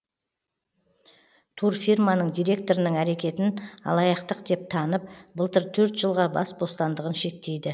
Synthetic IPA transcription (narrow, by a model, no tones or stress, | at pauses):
t̪ʰurfirmɑnəɴd̪ijɾe̞k̚t̪o̞ɾɪnəɴæɾe̞kʲe̞t̪ɪnɑ̰lˠɑjɑqt̪əqd̪e̞p̚t̪ʰɑnəp̚bəlˠt̪əɾt̪ʰɵɾt̪ʒəlˠʁɑbɑ̰sbo̞st̪ɑnd̪əʁənʃe̞k̚t̪e̞jd̪ɪ